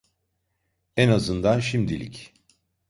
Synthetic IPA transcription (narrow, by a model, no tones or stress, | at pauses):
ɛnazɯnd̪anʃimd̪ilʲḭc